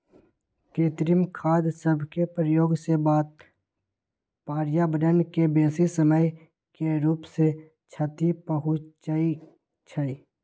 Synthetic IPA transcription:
keːt̪ɾɪmkʰaːd̪səbʱkepɾəjoːɡsebaːt̪̚ | paːɾjabəɖənkebeːsisəməj | keɾuːpse | t͡ʃʰat̪ipəɦʊt͡ʃaːi | t͡ʃʰaiː

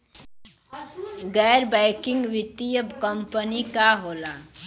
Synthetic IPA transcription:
ɡɛːɾbɛ̃ːkɪ̃ŋɡʋɪt̪ijəbkəmpənikaɦoːla

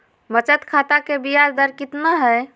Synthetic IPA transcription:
mət͡ʃət̪kʰat̪akebijad͡ʒd̪əɾkit̪nəɦəj

